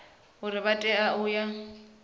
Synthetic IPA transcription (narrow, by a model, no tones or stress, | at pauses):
ɦʊɾɪbatʼɛaʊja